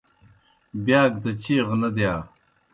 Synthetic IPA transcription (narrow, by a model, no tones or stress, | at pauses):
bjaːɡd̪ɐt͡ɕiːʁnɐd̪jaː